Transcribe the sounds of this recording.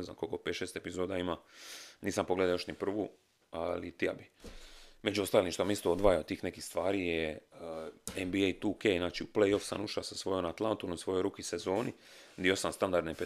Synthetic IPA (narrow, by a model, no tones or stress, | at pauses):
ezna̰mkolkopet̪ʃeːst̪e̞pizo̞ːd̪aimaniːsampo̞ɡle̞d̪aojoʃnipr̩ʋu | alit̪ija̰bi | me̞d͡ʒuo̞st̪aːlimʃt̪oamist̪o̞od̪ʋaːjaot̪iːxnekixst̪ʋaːɾijeəembiejt̪uːkejnaːt͡ʃiuplejo̞fsa̰nuʃasasʋo̞jonat̪lˠant̪onomsʋo̞jo̞jɾuːkisezo̞ːni | d̪io̞samst̪and̪aɾd̪nep